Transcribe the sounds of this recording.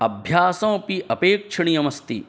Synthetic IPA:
ɐbʱjaːsɐ̃wpiʔɐpeːkʂɐɳijɐmɐst̪ḭ

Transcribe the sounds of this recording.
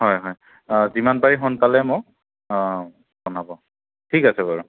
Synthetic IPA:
hɔjɦɔj | zimanbaɹixɔnpalɛmʊ | bɔnabɔ | tʰikasɛbɔɹɔ

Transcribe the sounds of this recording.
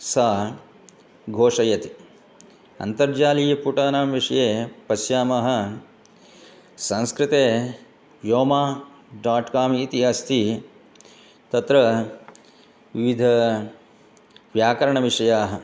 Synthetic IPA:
saː | ɡʱoːʂɐjɐt̪i | ɐ̰nt̪ɐɾd͡ʒaːlijɐpuːʈaːnaːmʋiʂɐjeːpɐsjaːmɐɦɐ̆ | sɐ̃nskɾɪt̪eː | joːmaː | ɖaːʈkaːmiːt̪iɐst̪ʰi | t̪ɐt̪ɾɐ | ʋiʋid̪ʱɐ | ʋjaːkɐɾɐɳɐʋiʂɐjaːɦɐ

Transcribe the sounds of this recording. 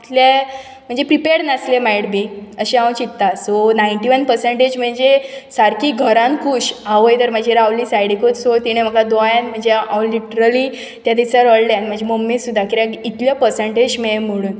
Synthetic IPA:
it̪lje | m̤əɳd͡zepɾipeɾnəslemajɽbiːəɕeaw̃t͡ɕit̪ːasonajɳʈiʋənpəɾsəɳʈed͡ʑm̤əɳd͡zesaɾkiːɡʱəɾãnkʰuɕaʋəjt̪əɾm̤əd͡ʑʱeɾawliːsajɽikot̪sot̪iɽ̃em̤əkad̪ojanm̤əɳd͡zeawliʈɾəli | t̪jad̪it͡saɾɔlɖanm̤əɳd͡ʑʱeməmːisud̪ʱːakiɾakit̪ljəpəɾseɳʈed͡ʑmem̤əɽuːn

